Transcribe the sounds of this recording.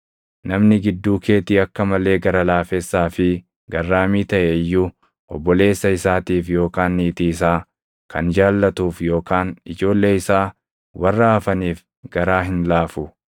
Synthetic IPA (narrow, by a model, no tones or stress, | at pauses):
nɐmnɪɡɪd̪ːuːkʰe̞ːt̪iːɐkːɐmɐle̞ːɡɐɾɐlaːfesːaːfɪ | ɡɐrːaːmiːt̪ɐʔɛjːʊ | ʔɔbːɔle̞ːsːɐɪsaːt̪iːfjo̞ːkaːnːiːt̪iːs̬aː | kʰɐnd͡ʒaːlːɐt̪uːfjo̞ːkaːnɪd͡ʒo̞ːlːe̞ːɪsaː | wɐrːɐːfɐniːf | ɡɐɾaːɦɪnlaːfʊ